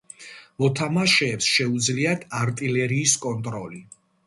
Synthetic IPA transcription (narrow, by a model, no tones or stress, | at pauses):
mɔt̪ʰamaʃɛːpsʃɛud̪zliat̪ʰaɾt̪ʼilɛɾiːskʼɔnt̪ʼɾɔli